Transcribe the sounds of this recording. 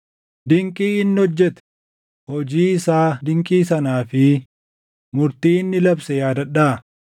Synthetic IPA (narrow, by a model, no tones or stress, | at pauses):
d̪ɪŋkʼiːɪnːɪɔd͡ʒːɛt̪ɛ̥ | hɔd͡ʒiːɪsaːd̪ɪŋkʼiːsɐnaːfɪ | mʊɾt̪iːɪnːɪlɐbsɛjaːd̪ɐᶑaː